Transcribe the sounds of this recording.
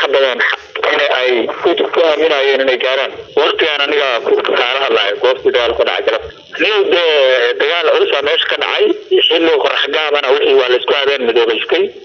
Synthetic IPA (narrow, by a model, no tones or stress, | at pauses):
ħɑbɐðɐnħɑ | ɪnɛʔɛjkʰʊt̪ʊbkʰʊaːmɪnaːjɛːnɪnɛjɡaːɾaːnwɔrt̪ʰɪɣaːnɐnɪɣɐkʊkʰaːlɐɦɐlaːjɛɡɔːft̪ʰiːd̪ɐɣaːlkʰʊɖɑ̰ʕɑ̰jkʰɐlɐb | ɐnɪɣɐd̪ɛːd̪ɐɣaːlʕʊsaːmɛːʃɐ̥kʰɐɖɑ̰ʕɑjwɪħiːlɔːkɔɾħɑɡaːmɐnɐwɪħiːwɑːlɐɪskʰʊaːðɛːnmɪðɔːβɛst̪ʰɛj